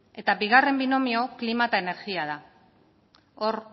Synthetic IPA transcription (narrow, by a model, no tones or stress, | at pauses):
e̞t̪abiɣare̞mbino̞mio̞klimat̪aene̞ɾɣiað̞a | o̞ɾ